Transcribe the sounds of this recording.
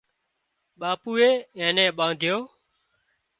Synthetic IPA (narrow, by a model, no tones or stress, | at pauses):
ɓaːpuːeːɛ̃ːnɛ̃ːɓãːd̪ʱɪjoː